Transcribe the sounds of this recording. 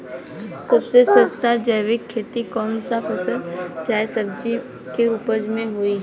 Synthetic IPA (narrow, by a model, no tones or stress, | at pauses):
sɐbsesə̃st̪ad͡ʒəɪʋɪkʰːeːt̪ikɔːnsapʰɐsəld͡ʒaːesəbd͡ʒi | keupəd͡ʒmẽɦʊiɦɛ